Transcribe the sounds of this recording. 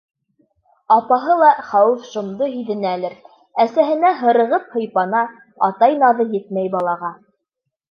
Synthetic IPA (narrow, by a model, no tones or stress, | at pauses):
ɑpɑɦɤlˠɑχæwɘfʃŏmd̪ɤɦiðɘ̆nælɘɾ | æsæɦɘ̆næɦɤ̆ɾɤ̆ʁɤp̚hɤ̆jpɑnɑ | ɑ̰t̪ɑjnɑðɤjɘt̪̚mæjbɑlˠɑʁɑ